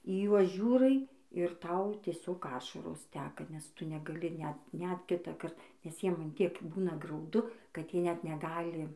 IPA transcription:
iː ˈjuɔs ˈʒʲuːrɐɪ ɪr ˈtɐʊ tʲiɛˈsʲoːk ˈɑːʃɐroːs ˈtʲæːkɐ nʲɛs ˈtʊ nʲɛɡɐˈlʲɪ ˈnʲɛt nʲɛt ˈkʲɪtɑːkɐrt nʲɛs ˈjiɛm ɐn ˈtʲiɛk ˈbuːnɐ ɡrɐʊˈdʊ kɐt ˈjiɛ ˈnʲɛt nʲɛˈɡɑːlʲɪ

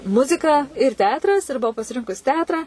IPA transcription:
ˈmʊzʲɪkɐ ɪr ˈtʲɛɐtrɐs ɪr bʊˈɐʊ pɐsʲɪˈrʲɪŋkʊs ˈtʲɛɐtrɐ

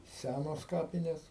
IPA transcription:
ˈsʲænoːs ˈkɑːpʲɪnʲeːs

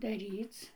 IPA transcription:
dɐˈrʲiːt͡s

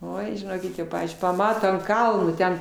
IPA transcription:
ˈoːɪ ʒʲɪˈnoːkʲɪt jɛʊ ˈpɑːʋʲiːzʲd͡ʒʲʊɪ pɐˈmɑːtoː ɐnt ˈkɐlˠnoː ˈtʲɛn

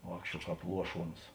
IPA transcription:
ˈʋɑːkʃʲt͡ʃʲuɔ ˈkɑːp ˈlˠuɔˌʃuɔns

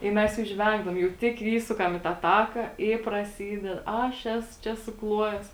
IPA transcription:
ɪ ˈmʲɛs jɛʊ ˈʒʲʋʲɛŋɡdɐʋoːm jɛʊ ˈtʲɪk ˈiːsʊkɐm iː tɑː ˈtɑːkɐ ɪ prɐˈsʲiːdʲɛt ˈɐʃ ˈæːsʊ ˈt͡ʃʲɛ sʊˈklˠuɔjɛs

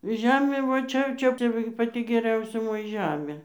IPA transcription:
ˈʒʲæːmʲeː ʋɐ ˈt͡ʃʲɛ jɛʊ ˈt͡ʃʲɛ ˈt͡ʃʲɛ ʋɐ ɡʲɪ pɐˈtʲɪ ɡʲɛˈrʲɛʊsʲɛ ˈmoːjɛ ˈʒʲæːmʲeː

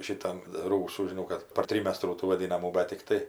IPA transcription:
ˈʃʲɪtɐm ˈruːsuː ʒʲɪˈnɐʊ kɐt pɐr ˈtʲrʲiːmʲɛstruː tuː ʋɐˈdʲɪnɐmuː ˈbʲɛ tʲɪkˈtɐɪ

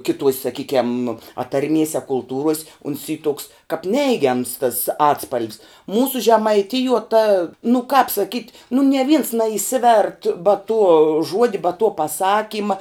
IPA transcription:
ˈkʲɪˌtuɔsʲ sɐˈkʲiːkʲɛm pɐtɐrʲˈmʲiɛsʲ ɐ kʊlˠˈtuːruɔsʲ ʊns iː tʊks kɐp ˈnʲɛɪɡʲɛms tɐs ˈɑːtspɐlʲʋʲs ˈmuːsʊ ʒʲɛmɐɪˈtʲɪjuɔ tɐ nʊ kɐp sɐˈkʲiːtʲ nʊ nʲiɛ ʋʲɪns nɐɪˈsʲɪʋʲɛrt bɐ tuɔ ˈʒuɔdʲɪ bɐ tuɔ pɐˈsɑːkʲiːmɐ

